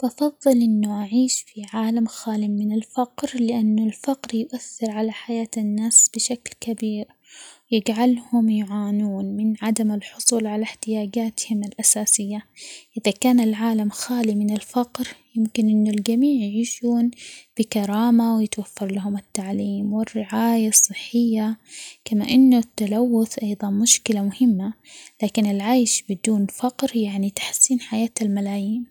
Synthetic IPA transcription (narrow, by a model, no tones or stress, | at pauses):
ʔɑfɑðˤːɨlʔɪnːʊʔaʕiːʃfiʕaːlamxaːlɪmɪnɪlfaqɾlɪʔanːʊlfɑqɾjʊʔaθːɪɾʕalaħajaːt̪ɪnːaːsb̥ɪʃaklkabiːɾ | wjɪd͡ʒʕalhʊmjʊʕaːnuːnmɪnʕad̪amɪlħʊsˤuːlʕalaħt̪ɪjaːd͡ʒaːt̪hɪmɪlʔasaːsɪjːaʔɪðakaːnɪlʕaːlamxaːlimɪnɪlfaqɾjɪmkɪnʔɪnːʊld͡ʒamiːʕjɪʕiːʃuːnb̥ɪkɑɾˤɑːmawjɪt̪wafːɑɾˤlaɦʊmɪt̪ːaʕliːmwɪrːɪʕaːjasˤːɨħːɪjːakama̰ʔɪnːʊt̪ːalawːʊθʔɑjðˤɑnmʊʃkɪlamʊhɪmːa | laːkɪnɪlʕajʃbɪd̪uːnfɑqɾjaʕnit̪ḁħsːiːnħajaːt̪almalaːjiːn